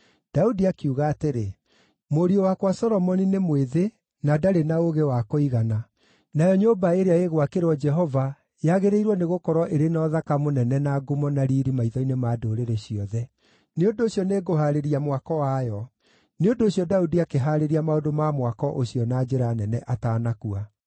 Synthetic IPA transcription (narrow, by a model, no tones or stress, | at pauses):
d̥audiakiuɣaːteɾe | moɾiowakwasɔɾɔmɔninemweðe | nadaɾenaoɣewakoiɣana | najɔɲobaeɾeaeɣwakeɾwɔd͡ʒɛɦɔva | jaɣeɾeiɾwɔneɣokɔɾwɔʔeɾenɔðakamonɛnɛnaɡomɔnaɾiɾimaiðɔinemaːdoɾeɾeɕiɔðɛ | neondoːɕjɔneːɡoɦaɾeɾiamwakɔwajɔ | neondoːɕiɔdaudiakeɦaɾeɾiamaodomamwakɔʔoɕiɔnad͡ʑeɾanɛnɛʔataːnakua